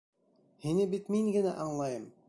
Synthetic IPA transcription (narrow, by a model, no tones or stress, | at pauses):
hinɘbit̪miŋɡɘ̆næʔɑɴlˠɑjɤm